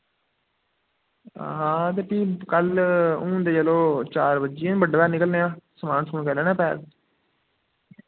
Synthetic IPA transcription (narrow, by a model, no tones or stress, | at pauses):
ɦãːt̪̬eːʈiːkəlũːd̪eːd͡ʒəloːt͡ʃaːɾbəd͡ʒĩːbəɖːbɛːnɪkəlneːãːsəmaːnskuːnkɛːlɛːnaːpɛ̰ːɾ